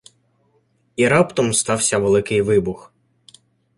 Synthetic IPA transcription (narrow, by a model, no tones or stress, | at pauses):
iɾɑpt̪ɔmst̪ɑwsʲɐʋelˠɪkɪjʋɪbʊx